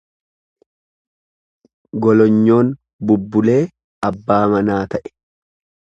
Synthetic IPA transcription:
ɡɔlɔɲːo̞ːn | bʊbːʊle̞ː | ɐbːaːmɐnaːt̪ɐʔɛ̥

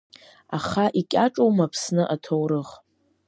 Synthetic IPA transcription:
aχaʔikʲʼaʈ͡ʂʼowmapʰsnɨʔatʰowɾɨʁ

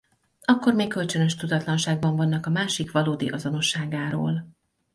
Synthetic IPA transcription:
ɒkːo̞rmeːkːølt͡ʃø̞nø̞ʃt̪ud̪ɒt̪lɒnʃaːɡ̚bɒɱvɒnːɒkɒmaːʃikʋɒloːd̪ḭʔɒzo̞no̞ʃːaːɡaːɾo̰ːl

